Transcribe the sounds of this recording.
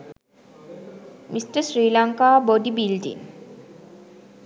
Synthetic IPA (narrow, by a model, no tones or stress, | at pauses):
mʔisʈəsɾiːlaŋkaːbod̪ibilɖḭn